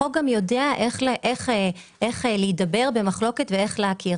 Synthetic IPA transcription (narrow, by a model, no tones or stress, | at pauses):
oɡamjo̞deaʔeχʔeχe | ʔeχlejdabe̞ʁbe̞maχlo̞ke̞tvee̞χleakʰiʁ